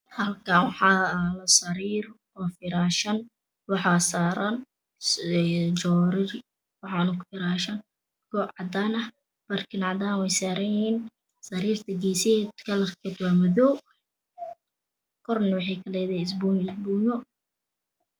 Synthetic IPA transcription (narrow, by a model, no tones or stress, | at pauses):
hɐlkʰawɑħɑːlɐsɐɾiːr | ɔːfɪɾaːʃɐn | wɑħɑːsaːɾɐn | d͡ʒɔːɾɪr | wɑħɑnʊkʰʊ̥fɪɾaːʃɐn | ɡɔːʕɑd̪aːnɐh | b̥ɐrkʰɪnʕɑd̪aːnwɛjsaːɾɐnjɪhiːn | sɐɾiːrt̪ʰɐɡɛsɛd̪kʰɐlɐrkʰɛːd̪wamɐðɔ | kʰɔrnwɑħɛjkʰɐlɛjðɛɪs̬buɪsbuːŋɔ